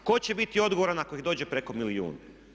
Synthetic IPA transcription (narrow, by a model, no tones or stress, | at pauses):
ko̞t͡ɕe̞bit̪io̞d̪ɡoʋoɾanako̞ixd̪o̞ːd͡ʑepɾeko̞miliṵːna